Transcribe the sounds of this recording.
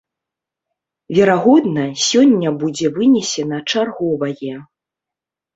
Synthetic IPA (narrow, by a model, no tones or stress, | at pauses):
vʲɛɾaɣɔd̪nɐsʲɔnʲːɐbud͡zʲɛvɨnʲɛsʲɛnɐt͡ʂarɣɔvɐjɛ